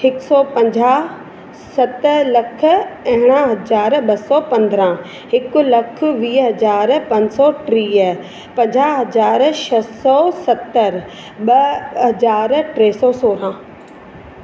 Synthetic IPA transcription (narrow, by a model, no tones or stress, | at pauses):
hɪksɔːpɐ̃ɲd͡ʑaː | sɐt̪lɐk̆ʰɐ̃ɦɪɽ̃ãɦɐzaːɾɓɐsɔpɐ̃nd̪ɾã | ɦɪkʊ̆lɐk̆ʰʋiːɦɐzaːɾpɐ̃ɲd͡ʑsɔʈɾiːə | pɐ̃ɲd͡ʑaːɦɐzaːɾʃɐsɔsɐt̪ːəɾ | ɓɐɦɐzaːɾʈɾeːsɔːsoːɾãː